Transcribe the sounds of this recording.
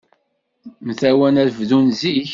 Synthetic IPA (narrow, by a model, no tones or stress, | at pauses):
mθæwænæɾvðunziç